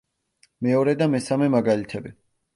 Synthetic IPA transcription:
mɛɔɾɛd̪amɛsamɛmaɡalit̪ʰɛbi

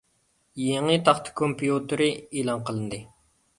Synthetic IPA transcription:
jeŋət̪ʰɑχt̪ʰɨ̥kʰompʰijut̪ɨɾɨeːlˠɑŋqəlˠɨnd̪ɨ

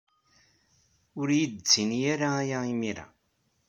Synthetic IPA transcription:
ʊɾjid̪t͡sːinjaɾaːjaimiɾa̰

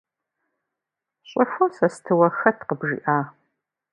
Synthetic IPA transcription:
ɕʼʊfʷosɐstʰɨwɐxɐtʰqəbʒḭːʔaː

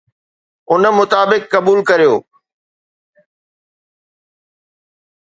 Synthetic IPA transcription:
ʊnmʊt̪aːbɪkːɐbuːlkɐɾijoː

